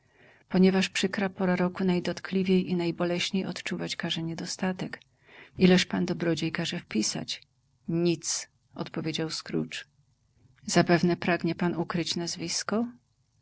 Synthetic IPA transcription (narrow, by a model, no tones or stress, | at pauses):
pɔɲɛvaʂpʂɘkɾapɔɾaɾɔkunajd̪ɔt̪klʲivʲejinajbɔlɛɕɲejɔt̪t͡ʂuvat͡ɕkaʐɛɲɛd̪ɔst̪at̪ɛk | ilɛʂpand̪ɔbɾɔd͡ʑejkaʐɛfpʲisa̰t͡ɕ | ɲit̪s | ɔ̰t̪pɔvʲjed͡ʑawskɾṵt͡ʂ | z̥apɛvnɛpɾaɡɲɛpanukɾɘt͡ɕnazvʲiskɔ